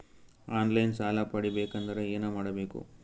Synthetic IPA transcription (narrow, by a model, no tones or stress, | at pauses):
aːnlɐjnsaːlɐpɐɽibeːkɐnd̪ɐɾeeːnɐmaːɽɐbe̞ːkṵ